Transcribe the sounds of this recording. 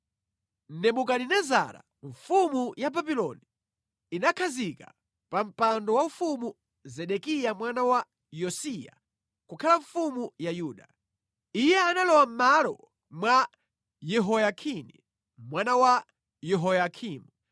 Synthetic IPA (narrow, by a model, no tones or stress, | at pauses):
n̩nɛmukaninɛza̰ɾa̰ | ɱfumujababilɔni | inakʰazika̰ | pam̩pandɔwaufumu | zɛɗɛkijamwanawa | jɔsija̰ | kukʰalaɱfumujajuːɗa | ijɛanalɔwam̩malɔ̰ | mwa | jɛɦɔjakʰinḭ | mwanawa | jɛɦɔjakʰiːmu